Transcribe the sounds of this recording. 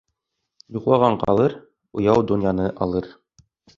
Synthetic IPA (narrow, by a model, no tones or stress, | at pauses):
juqlˠɑʁɑɴqɑ̰lˠɤɾ | ŏjɑwd̪ŭnjɑnɤʔɑlˠɤɾ